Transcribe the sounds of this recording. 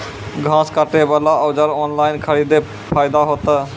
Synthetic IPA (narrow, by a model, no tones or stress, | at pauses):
ɡʱãːskaʈebəlaʔəwd͡ʒəɾɔːnlaːɪnkʰəɾiːd̪e | pʰaːjd̪aɦot̪ə